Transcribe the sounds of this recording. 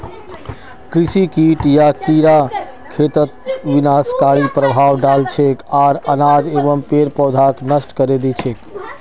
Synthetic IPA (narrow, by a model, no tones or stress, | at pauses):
kɾisikiʈjakiɾa | kʰet̪ət̪̚ʋinaskaɾipɾəbʱaʋɖalt͡ʃʰekaɾənad͡ʒebəmpeɾpɔd̪ʱaknəsʈkəɾed̪it͡ʃʰek